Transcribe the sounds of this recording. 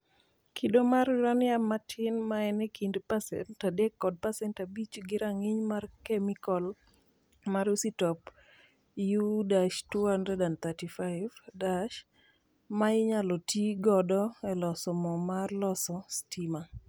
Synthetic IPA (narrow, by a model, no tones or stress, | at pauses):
kʰidomarɾanjamatʰɪnmaɛnɛkʰindpasɛ̰ntadɛkːɔd̚pasɛntabit͡ʃɡɪɾaŋɪɲmarkɛmikɔl | maɾusitɔp | judaʃtuhandɾɛdant̪atifaɪvdaʃ | maɪɲalɔtʰiɡɔdɔɛlɔsɔmɔmarlɔsɔstima